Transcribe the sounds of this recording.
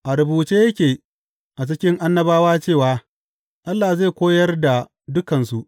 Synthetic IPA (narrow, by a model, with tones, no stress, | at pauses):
ʔa˨ɾʊ˨buː˨t͡ʃeː˦jɐ˦kʲeː˨ | ʔa˨t͡ʃɪ˦kʲɪ˦ŋʔa˦nːɐ˦baː˦waː˦t͡ʃeː˦˨waː˨˦ | ʔa˦lːaː˨zeː˦˨kʷoː˦jɐ˦rda˨ | dʊ˦kɐ˨nsu˨ʔ